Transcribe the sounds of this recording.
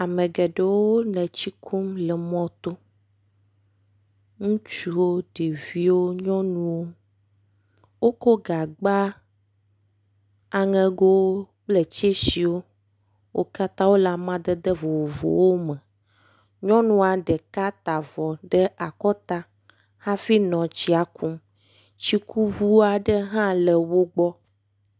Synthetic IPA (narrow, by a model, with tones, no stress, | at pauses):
a˨mẽ˨ɡɛ˨ɖe˨wo˦nɛ̃˨t͡ɕi˦kʰu˦mlɛ˨mɔ̃˦t̪o˦ | ŋũ˦t͡ʃu˦wo˦ɖe˨vi˦wo˦ɲɔ̃˦nũ˦wo˦ | wo˦ko˦ɡa˨ɡ͡ba˦ | a˨ŋɛ̃˦ɡo˦w | k͡ple˨t͡ɕe˦si˨wo˦ | wʔo˦ka˦t̪a˦wo˦la˨mã˦d̪ɛ˦d̪ɛ˦vo˨wo˨vo̰˨wo˦mɛ̃˨ | ɲɔ̃˦nũ˦a˨ɖɛ˨ka˦t̪a˨vɔ˨ɖɛ˦a˨kɔ˦t̪a˦ | hã˦fi˦nɔ̃˨t͡ɕi˦a˨ku˦m | t͡ɕi˦ku˦vu˦a˨ɖɛ˦ɦã˦lɛ˨wo˦ɡ͡bɔ˦